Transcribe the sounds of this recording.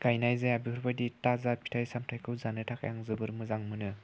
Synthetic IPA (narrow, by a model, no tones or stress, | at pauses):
ɡ̥ajnajzajabikʰɾbaditazaɾpʰi̥tʰajsamtʰajkʰɯwzanɯtʰaka̰jaŋzɯbɯɾmɯzaŋmɯnɯ